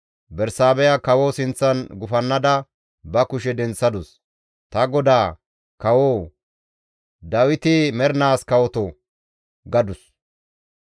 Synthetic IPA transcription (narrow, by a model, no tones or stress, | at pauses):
bɛɾsaːbɛjɐkɐwoːsɪnt͡sːɐnɡʊfɐnːɐd̪ɐ | bɐkʊʃ̬ɛd̪ɛnt͡sːɐd̪ʊs | t̪ɐɡɔd̪aː | kɐwoː | d̪ɐwɪt̪ɪmɛɾnaːskɐwɔt̪ɔ | ɡɐd̪ʊs